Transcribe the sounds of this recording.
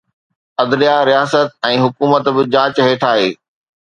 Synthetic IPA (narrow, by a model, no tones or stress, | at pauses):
ɐd̪lijaɾijaːsət̪̚ɛ̃ːɦʊkuːmət̪bɪd͡ʑãːt͡ɕɦeːʈʰaːɦeː